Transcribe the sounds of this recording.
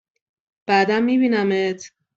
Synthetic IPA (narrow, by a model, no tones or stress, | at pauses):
b̥æːd̪æmːiːbiːnæmet̪ʰ